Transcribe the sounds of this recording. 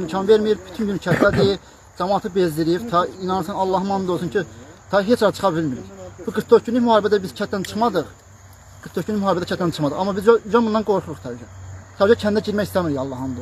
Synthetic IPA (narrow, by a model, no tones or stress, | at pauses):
imcʰɑnveɾmijiɾbyt̪ʰynɟynt͡ʃʰæt̪d̪æd̪i | d͡ʒɑmɑːt̪ʰɯbezd̪iɾiɾt̪ʰɑinɑnɯsɯnɑlˠːɑɦɯmɑnɯd̪olˠsunt͡ʃʰit̪ʰɑɦet͡ʃʰɑɾt͡ʃʰɯ̥χɑbilmiɾiɾbuɡɯɾt̪ʰːoɾɟynliçmyhɑːɾebæd̪æbiz̥t͡ʃʰæt̪d̪ænt͡ʃʰɯ̥χmɑd̪ɯχ | ɡ̥ɯɾt̪ʰːoʃʰkynːiçmhɑːɾbæd̪æcʰæt̪d̪ænt͡ʃʰɯ̥χmɑd̪ɯʁɑmːɑbizyd͡ʒæbunɑnɡo̞ɾχuɾuχt̪ʰæbyd͡ʒæt̪ʰæbid͡ʒæcʰænd̪æɟiɾmæçist̪æmiɾiɑlˠːɑhɑnd̪o